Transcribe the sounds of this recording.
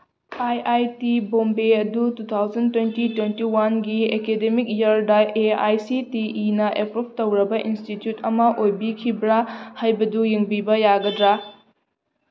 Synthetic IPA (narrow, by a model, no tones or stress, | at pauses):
ajʔajtibombeɐdutut̪ʰawd͡ʒɐntwentitwentiwanɡiekedemik̚jɐɾdɐeajsitiʔinɐʔepɾup̚tɐwɾɐbɐʔinstitjutɐmɐʔojbikʰibɾahajbɐdujeŋbibɐjaɡɐdɾa